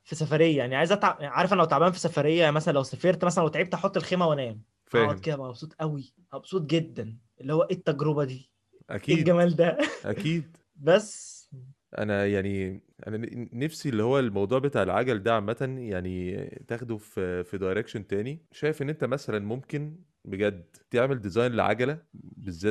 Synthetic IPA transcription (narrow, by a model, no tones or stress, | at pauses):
fisæfæɾejːæjaæʕniʕajezʔæt̪ʕaʕaɾˤefʔænlæwt̪ʕabæhænfisæfæɾejːæjmæsælænlæwsæfeːɾt̪mæs̬ælænwet̪ʕiːb̚t̪æħot̪ˤːelxeːmæwænæːm | fæːɑmked̪ææʔæbsuːt̪ˤʔæwi | ʔæbosˤuːt̪̚ˤɡed̪ːænʔelːihowːæʔet̪ːæɡɾobæd̪iː | ʔæ̰kieːɡæmæːld̪æʔæ̰kiːd̪ | bæsː | ʔæ̰næjaʕniʔæ̰nænæfsielːihowːælmɑwd̪ˤuːʕbet̪aʕelʕa̰ɡæld̪æʕmːæt̪ænjaʕnit̪æːxd̪uffid̪ɑjɾekʃont̪æːniʃæːjefʔenːʔent̪æmæsælænmomken | beɡæd̪ː | t̪eʕmeld̪ezɑjneʕa̰ɡælæbezːæː